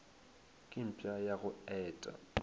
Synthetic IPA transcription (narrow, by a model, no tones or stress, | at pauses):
kʼɪm̩pʼajaɣʊɛːtʼa̰